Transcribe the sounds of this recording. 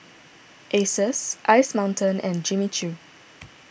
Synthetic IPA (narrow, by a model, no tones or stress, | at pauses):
ʔesəsʔaɪsmãʊ̃ntʰə̃nɛ̃nd͡ʒimit͡ʃu